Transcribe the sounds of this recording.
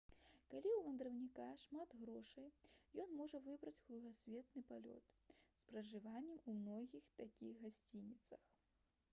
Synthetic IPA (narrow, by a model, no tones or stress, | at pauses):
kalʲiwvɐnd̪ɾɐwnʲikaʂmad̪ɣɾɔʂɐjjɔnmɔʐɐvɨbɾɐt͡sʲɣɾuɣasʲvʲɛt̪nɨpalʲɔ̰t̪spɾɐʐɨvanʲːɛmumnɔɣʲixt̪akʲiɣɣasʲt͡sʲinʲit̪sɐx